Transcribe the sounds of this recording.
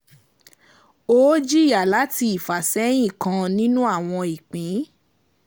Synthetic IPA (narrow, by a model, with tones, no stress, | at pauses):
o˦d͡ʒi˦˨ja˨la˨˦ti˧i˨fa˨sɛ˨˦j̃ĩ˦˨kã˧nĩ˦nũ˦a˦˨w̃ɔ̃˧i˨k͡pĩ˨˦